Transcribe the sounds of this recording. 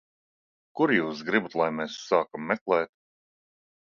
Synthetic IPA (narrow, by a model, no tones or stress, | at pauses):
kuɾjuːsɡɾibut̪lˠajmeːsːaːkamːɛklˠɛːt̪